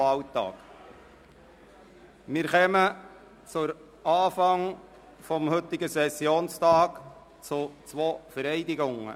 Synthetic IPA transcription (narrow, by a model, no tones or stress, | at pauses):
ɑltɑ̰ːk | mɪːɾχɛmə | t͡sʊɾ | ʔɑːfɑŋ | fɔmhɵt̪ːɪɡəsɛsjoːnstɑːk | t͡sʊt͡sʋoːfəɾɛɪdɪɡʊŋə̰